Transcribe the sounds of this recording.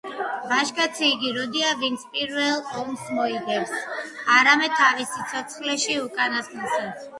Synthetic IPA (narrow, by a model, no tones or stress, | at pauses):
vaʃkʼat̪sʰiːɡiɾɔd̪iavint̪sʰpʼiɾvɛlˠɔmsmɔiɡɛpsaɾamɛd̪̚t̪ʰːavisit̪sʰɔt̪sʰχlɛʃiukʼanast̪ʼɛsat̪s